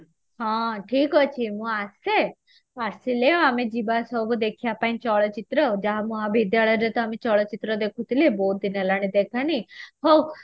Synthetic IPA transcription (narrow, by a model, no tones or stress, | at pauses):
ɦãʈʰikɔt͡ʃʰimũase | aɾsileamed͡ʒibasɔbəd̪ekʰjapaĩnt͡ʃɔɭət͡ʃit̪ɾəd͡ʒaɦmũabid̪jaɭəɾet̪ɔamet͡ʃɔɭət͡ʃit̪ɾəd̪ekʰũt̪ilebot̪̚d̪inelaɽ̃id̪ekʰaniɦo